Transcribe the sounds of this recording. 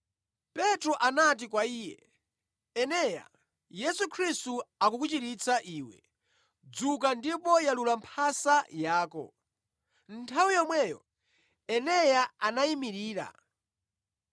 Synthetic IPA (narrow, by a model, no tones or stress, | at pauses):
pɛtɾɔʔanat̬ikwaiːjɛ̰ | ɛnɛja̰ | jɛsukʰɾistuakukut͡ʃiɾit͡sʰaʔiːwɛ̰ | d͡zukandipɔjalulampʰasajaːkɔ̰ | n̩tʰawijɔmwɛjɔ | ɛnɛjaanaimiɾiːɾa̰